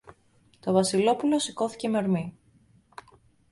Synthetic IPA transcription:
t̪o̞vɐsilo̞pulo̞siko̞θi̥ce̞meoɾmi

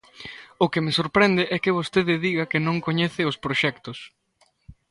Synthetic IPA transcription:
ʊkɪmɪsoɾpɾɛnd̪ɪʔɛkɪβost̪eðɪðiɣɐkɪnõŋkoɲeθɪʊspɾoʃɛkt̪ʊs

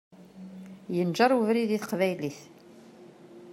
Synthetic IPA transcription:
jənʒɑɾˤuvɾiðiθəqvæjliθ

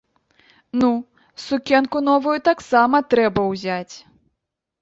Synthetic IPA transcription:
nu | sukʲɛnkunɔvujut̪aksamɐt̪ɾɛbɐwzʲat͡sʲ

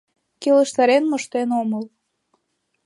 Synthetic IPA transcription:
keləʃt̪ɑɾenmə̆ʃt̪enoməl

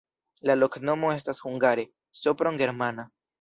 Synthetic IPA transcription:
lalo̞kno̞mo̞e̞s̬tashuŋɡaɾe̞ | sopɾoŋɡe̞ɾmana

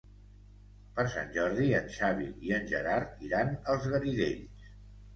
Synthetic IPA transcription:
pəɾsa̰nʒɔɾðiənʃaβḭiənʲʒə̰ɾaɾt̪iɾanəlˠzɣəɾiðeʎs

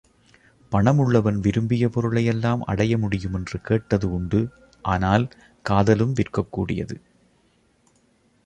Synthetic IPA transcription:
pɐɳɐmɯɭːɐʋɐnʋɪɾɯmbɪjɐpɔɾɯɭɐjɛlːaːmʔɐ̰ɽɐjɐmʊɽɪjɯmɛndrɯkeːʈːɐðɯʊɳɖɯ | ʔaːnaːl | kaːðɐlɯmʋɪrkɐkːuːɽɪjɐ̰ðɯ

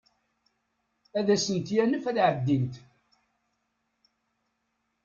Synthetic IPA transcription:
æðæsənt̪jænəfæðʕəd̪ːint̪

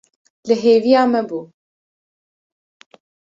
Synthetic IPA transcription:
lɨɦeːvijɑːmɛbuː

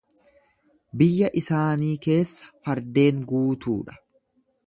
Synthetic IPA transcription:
bɪjːɐʔɪsaːniːke̞ːsːɐ̥fɐɾd̪e̞ːŋɡuːt̪ṵːᶑɐ̥

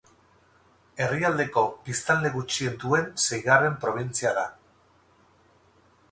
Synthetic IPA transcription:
e̞riald̪e̞ko̞bist̪ald̪e̞ɣut͡ʃie̞nd̪ue̞nse̞jɣare̞mpɾo̞β̞int͡siaða

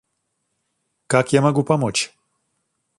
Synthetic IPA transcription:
kakjɛmaɡupamɔt͡ʃ

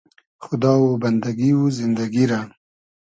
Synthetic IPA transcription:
xʊd̪ɑwoband̪aɡiwuzɪnd̪aɡiɾa

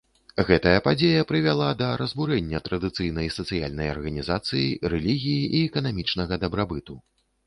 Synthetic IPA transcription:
ɣɛt̪ɐjɐpad͡zʲejɐpɾɨvʲalˠad̪ɐɾɐzbuɾɛnʲːɐt̪ɾɐd̪ɨt̪sɨjn̪ɐjsɐt̪sɨja̰lʲnɐjɐ̰rɣɐnʲizat̪sɨjḭɾɛlʲiɣʲijiʔiɛkɐnamʲit͡ʂnɐɣɐd̪ɐbɾabɨt̪u

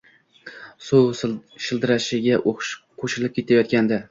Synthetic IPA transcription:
sowʃɪlˠd̪ɪɾaʃɪɡʲaʃqʰoʃɪlɪp̚kʲe̞t̪ʰajɒt̪̚kʲand̪a

